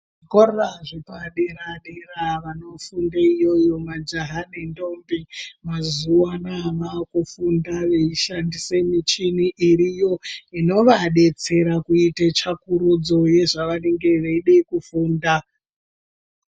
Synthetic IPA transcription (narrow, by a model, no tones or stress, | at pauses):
ʐikororaʐipaɗeɾaɗeraʋano̞fundaijo̞jo̞mad͡ʒaɦanendo̞mbimazuwanaʋakufundaʋeiʃandisemit͡ʃiniʔiɾijo̞ino̞ʋaɗe̞t͡se̞ɾakuitet͡ʃakuɾud͡zo̞je̞ʐaʋane̞ŋɡe̞ʋeiɗekufuːnda